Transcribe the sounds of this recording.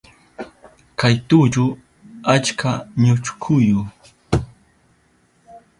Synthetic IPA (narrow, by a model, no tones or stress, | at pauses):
kajt̪ut͡ʃʊ | at͡ʃkʰaɲʊt͡ʃkʰʊjʊ